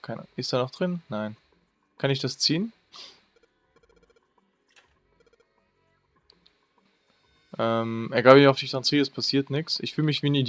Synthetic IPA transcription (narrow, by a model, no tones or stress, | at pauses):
kʰaɪnʔɪstd̥aːnɔχd̥ʁɪnːaɪn | kʰanɪçd̥ast͡siːən | ʔɛmʔɛɐɡaːbəaʊfd̥ɪçd̥ʁant͡siːəɛspʰasiːɐtnɪksʔɪçfyːləmɪçv̥iːnid